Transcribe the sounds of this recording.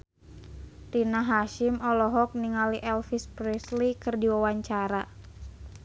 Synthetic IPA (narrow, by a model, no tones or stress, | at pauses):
tinaɦaʃɪmɔlɔɦɔk̚niŋaliʔɛlfispɾɛslikɨrdiwawaɲt͡ʃaɾa